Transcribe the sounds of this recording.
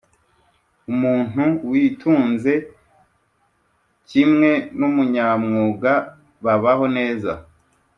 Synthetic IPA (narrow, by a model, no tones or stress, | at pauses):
umuːn̥uwiːtʰuːnze̞ | cimŋe̞numuɲamŋuːɡa | βaβaɦo̞ne̞ːza̰